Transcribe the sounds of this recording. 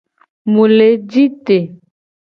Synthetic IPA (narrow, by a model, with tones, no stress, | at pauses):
mu˨le˨d͡ʒi˦t̪e˨